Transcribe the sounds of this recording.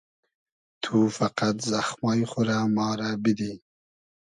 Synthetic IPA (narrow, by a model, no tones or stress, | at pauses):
t̪ʰufaqat̪zaxmɑːjχʊɾamɑːɾabid̪i